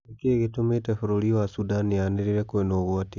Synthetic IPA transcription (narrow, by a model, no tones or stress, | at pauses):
ekeɣetometɛfoɾoɾiwasudanianeɾeɾɛkoenoɣwati